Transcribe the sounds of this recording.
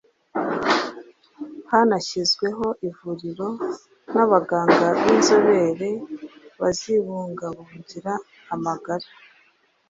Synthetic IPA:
hanaçizɡwe̞ɦo̞ʔivuɾiɾo̞ | naβaɡaːŋɡaβinzo̞βe̞ɾe̞βaziβuːŋɡaβuuɟiɾaː | maɡaɾḁ

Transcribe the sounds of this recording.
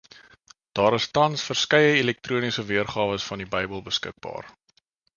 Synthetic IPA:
d̥ɑːɾəstɐnsfərskɛjəilɛk̚tɾuənisəviərχɑːvəsfɐndibəjbəlˠbəskə̰k̚bɑ̰ːr

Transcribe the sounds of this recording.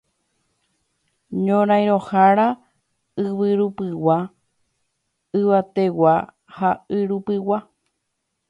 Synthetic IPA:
ɲõɾ̃aj̃ɾohaɾa | ɨβɨɾupɨwa | ɨʋat̪e̞wa | haɨɾupɨwa

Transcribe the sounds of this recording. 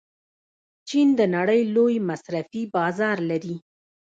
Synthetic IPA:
t͡ʃind̪ənaɽəjlojmasɾafibɑzɑɾlaɾi

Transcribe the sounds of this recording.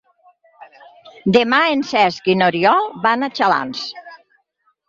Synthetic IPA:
d̪emaensɛzkinoɾiɔlˠbanat͡ʃala̰ns

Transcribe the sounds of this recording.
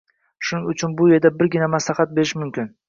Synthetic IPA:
ʃʊnɪŋʊt͡ʃʰʊnbʊje̞ɾd̪abɪɾɡʲɪnamaslˠaχat̪̚beɾɪʃmʊmkʲɪn

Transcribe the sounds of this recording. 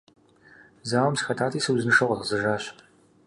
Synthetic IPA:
zaːwɐmsxɐtʰaːtʰiːsɨwzɨnɨʂɐʁʷɐzʁzɨʒaːɕ

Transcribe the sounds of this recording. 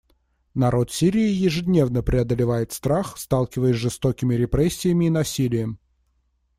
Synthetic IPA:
nɐɾo̞t̪sʲiɾʲɪɪjɪʐɨdʲnʲe̞vnəpɾʲɪɐd̪əlʲɪvajɪt̪st̪ɾaxst̪alˠkʲɪvəjəsʲʐɨst̪okʲɪmʲɪɾʲɪpɾɛsʲːɪjəmʲɪːnɐsʲilʲɪjəm

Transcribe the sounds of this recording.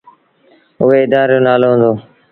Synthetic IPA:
ʊɦeːɪd̪aːɾjõːnaːloːɦə̃nd̪oː

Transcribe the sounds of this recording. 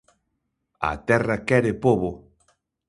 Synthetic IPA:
ɐ̰t̪ɛrɐkɛɾepoβo

